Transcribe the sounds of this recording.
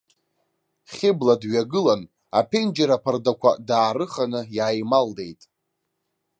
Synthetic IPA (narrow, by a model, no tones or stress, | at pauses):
χʲɪbladɥaɡɨlan | a̰pʰend͡ʒaɾapʰardakʷʰa̰daːɾɨχanɨjaːjmalde̞jtʼ